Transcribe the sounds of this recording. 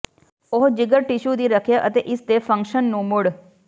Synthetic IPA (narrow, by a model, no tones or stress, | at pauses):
oɦd͡ʒɪɡəɾʈɪʃuːd̪iːɾəkʰjaːʔət̪eːʔɪst̪eːpʰə̃ŋkʃənːũːmʊɽ